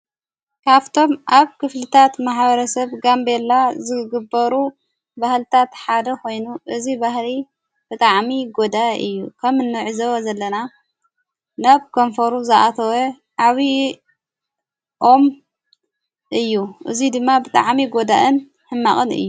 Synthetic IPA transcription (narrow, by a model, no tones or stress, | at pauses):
kʰaβt̪ʰo̞mʔaβkʰɨflɨt̪ʰat̪maħbɐɾɐsɐβɡambelazɨɡɨbɐɾu | bahlt̪ʰat̪ħad̪ɐko̞jnuʔɨzibahli | b̥ɨt̪ʼaʕmiɡod̪aɨ̰jːukʰɐmɨnːɨʕɨzɐwɐzɐlːɐna | naβkʰonfɐɾuzɐʔat̪ʰɐwe | ʕaβi | ʔo̞m | ʔɨjːuʔɨzid̪ɨmːabɨt̪ʼa̰ʕmiɡod̪aʔɨn | hɨmːaχʼɨnɨ̰jːu